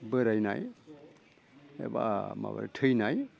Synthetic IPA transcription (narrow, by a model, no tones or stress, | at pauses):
bəɾajnaj | ḛbama̰baɾtʰɯjnaj